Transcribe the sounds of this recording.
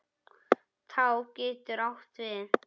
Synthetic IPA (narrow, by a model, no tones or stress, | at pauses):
θʰawcɛːt̪ʏɾawht̪vɪ